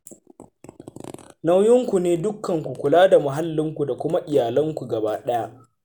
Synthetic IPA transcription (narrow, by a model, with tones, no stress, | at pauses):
na˦wjɪ˦ŋkʷu˨neː˦dʊ˦kʰːɐ˨ŋkʷu˨kʷʊ˨laː˦da˨mʊ˨ɦa˦lːɪ˦ŋkʷu˨da˨kʷʊ˦ma˦ʔɪ˨jaː˨lɐ˦ŋkʷu˨ɡɐ˨baː˦ɗɛ˦ja˦ʔ